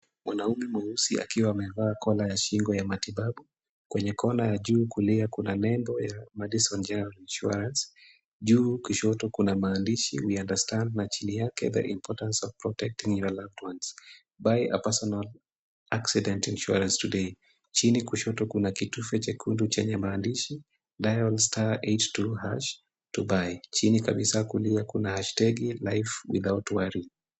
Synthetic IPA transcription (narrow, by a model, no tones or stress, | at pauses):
mwanaumɛmwausia̰kiwaːmɛvaːkʰɔlajaʃiŋɡɔjamatiɓaɓu | kwɛɲɛkʰɔnajaʄuːkuliakunanɛmbɔjamɛɗisɔnd͡ʒɛnɛɾalinʃuɾans | ʄuːkuʃɔtɔkunamaːndiʃḭwiandastandnat͡ʃinijakɛ̰ðɛ̰ʔimpʰɔtansɔvpɾɔtɛk̚tĩŋjɔlavtwans | bajə̰pɛsɔnal | ʔaksidɛntinʃuɾɛnstude | t͡ʃinikuʃɔtɔkunakitufɛt͡ʃakʰundut͡ʃɛɲɛmaːndiʃi | dajɔlstʰaettuhaʃ | tubajt͡ʃinikaɓisakuliakunahaʃtɛɡilajfwḭðaʊtwaɾi